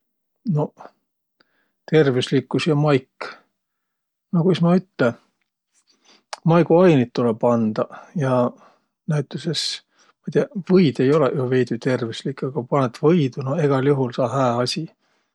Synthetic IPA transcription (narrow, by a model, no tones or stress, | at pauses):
no̞ | t̪e̞rvislikːˑusjɑmɑjkː | nokujsmɑyt̪ːˑe | mɑjɡ̥uɑjnit̪t̪ːulebɑnd̪̥ɑjɑ | næyt̪ːˑuses | mɑjt̪eɑvɤjd̪e̞jo̞lejuve̞jd̪̥yt̪e̞rvislikːˑɑɡ̥ɑpɑnet̪ːvɤjd̪̥unoeɡ̥ɑlʲjuɦulsɑːhæːɑsʲi